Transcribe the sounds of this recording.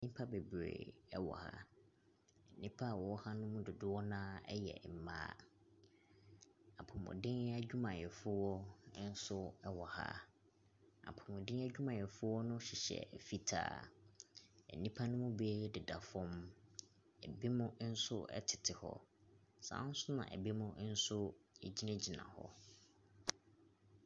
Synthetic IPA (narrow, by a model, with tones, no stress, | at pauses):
ɛ˨nĩ˦pʰa˦be˨bɾḛ˨ɛ˦wɔ̰˨ha̰˦ | ɛ˨nĩ˦pʰa˦˨wɔ˨wɔ˦ha˦nʊ̃˦mʊ̃˦dʊ˨dʊ˦wɔ˦nã˦ɛ̰˦jɛ̰˨m̩˨mã̰ː˦ | a˨pʰʊ˨mʊ̰̃˨dɪ̃˦na˦d͡ʑᶣu˦mã˨jɛ˨fʊ˦wɔ˦n̩˦sʊ˦ɛ˦wɔ˨ha̰˦ | a̰˨pʰʊ˨mʊ̃˨dɪ̃˦n˦æ˦d͡ʑᶣu˦mã˨jɛ˨fʊ˦wɔ˦nʊ̃˦ɕi˨ɕɛ̰˨fi˦tʰa̰ː˦˨ | ɛ̰˨nĩ˦pʰa˦nʊ̃˦mʊ̃˦be˦dɪ˨da˨fʊ̃˦m | ɛ˨be˦mʊ̃˦n̩˦sʊ˦ɛ̰˦tʰɪ˨tʰɪ˨hɔ̰˦˨ | sã̰ː˨˦n̩˦sʊ˦nã̰˨ʔɛ̰˨be˦mʊ̃˦n̩˦sʊ˦ɛ˨d͡ʑi˦nã˦d͡ʑi˨nã̰˨hɔ̰˦